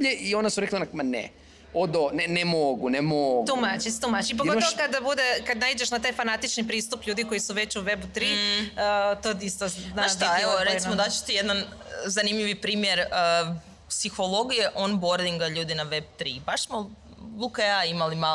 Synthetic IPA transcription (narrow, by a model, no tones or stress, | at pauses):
ʎeʔio̞nasuɾeklanakmanɛ̰ | od̪onɛnemoɡunemoɡt̪umat͡ʃiset̪umat͡ʃiip̬oɡotmokad̪ːabud̪ekad̪naid͡ʑeʃnat̪aːjfanat̪it͡ʃnipɾiːst̪upʎuːd̪iko̞jisuʋe̞t͡ɕuʋebut̪ɾiət̪oist̪onaaaʃt̪aeoɾet̪mod̪at͡ɕe̥t̪ijed̪nan | zanimʎʲiʋipɾiːmjeɾə | psixolˠo̞ɡije̞ʔonboɾd̪iŋɡaʎuːd̪inaʋe̞b̚t̪ɾibaʃsmo | ʋukajaːimalima